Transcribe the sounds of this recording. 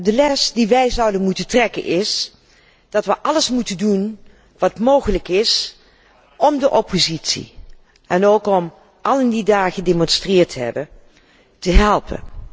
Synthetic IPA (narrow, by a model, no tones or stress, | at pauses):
dəlɛsdiʋɛjzɑwdənmutəntrɛkə̰nʔɪs | d̥ɑtʋəʔɑləsmutəndun | ʋɑtmowχələkɪs | ɔmdəʔɔpʰozitsḭ | ɛnowkɔm | ʔɑlˠɪndidaːχədemɔnstrɪːɹtəɦɛ̰bən | təɦɛlˠpə̰n